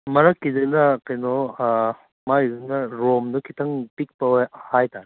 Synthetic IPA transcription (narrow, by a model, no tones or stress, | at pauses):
mɐɾɐkːizɐnɐkɐjnɔ | maizɐnɐɾomdukʰitʰɐŋpik̚pɐwahajtaɾ